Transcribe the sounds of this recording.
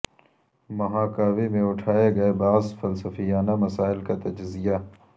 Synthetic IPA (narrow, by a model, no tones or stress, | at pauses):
mɐɦãːkaːʋimẽʊʈʰaːeɡɐebaːzfɐlsɐfijaːnamɐsaːɪlkat̪ɐd͡ʒzija